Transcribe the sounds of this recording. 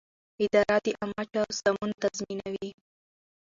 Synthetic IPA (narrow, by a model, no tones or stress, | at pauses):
ɪd̪ɑɾad̪iʔamɑt͡ʃawsamunt̪azminawi